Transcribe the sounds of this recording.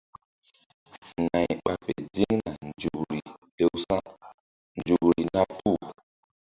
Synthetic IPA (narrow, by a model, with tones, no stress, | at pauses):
ŋa˨jɓa˨pe˨di˦ŋna˨nd͡ʒu˨ɾi˨te˦wsa˦ | nd͡ʒu˨kɾi˨na˦pu˦˨